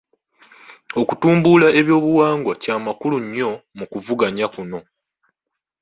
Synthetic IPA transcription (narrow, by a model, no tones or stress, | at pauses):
o̞kutuːmbulae̞βjo̞ːβuwaːŋɡwacaːmakuluɲːo̞mukuvuɡaɲakuno̞